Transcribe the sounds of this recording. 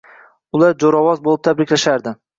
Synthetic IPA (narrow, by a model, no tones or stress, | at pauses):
ʊlˠaɾd͡ʒoɾɒvɒzbolˠɪp̚t̪ʰabɾɪkʰʲlaʃaɾd̪ɪ